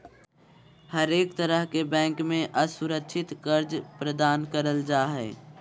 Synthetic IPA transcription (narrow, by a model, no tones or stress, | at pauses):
həɾeːkt̪əɾəɦkebɛ̃ːŋkmẽʔəsʊɾəkʃʰɪt̪kəɾd͡ʒpɾəd̪aːnkəɾəld͡ʒaːɦɛː